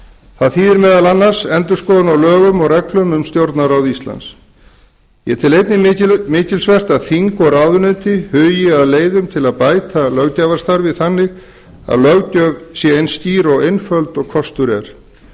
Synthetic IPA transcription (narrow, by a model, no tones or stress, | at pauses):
θaðθiːðɪɾmɛːðalanːaɾ̥sɛnt̪ʏ̥skɔːʏnawlœːɣʏmɔɣɾɛklʏmʏmst̪jowɾt̪naɾawðist̪la̰ns | jɛt̪ʰɪlejt̪nɪmɪːcɪlsvɛr̥t̪aðθiŋkɔɣɾaːwðʏnʏnt̪ɪhʏːjɛaðleːjðʏmt̪ʰɪlaðpaːjt̪alœɣc̪aːvaɾst̪aɾvɪðθanːɪ | a̰ðlœɣcœsjɛejnst̪iːɾɔɣejnfœlt̪ɔɣkʰɔst̪ʏɾɛ̰ɾ̥